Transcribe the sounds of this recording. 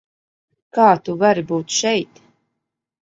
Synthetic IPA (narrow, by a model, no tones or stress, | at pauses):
kaːt̪uvaɾibuːt̪ʃɛjt̪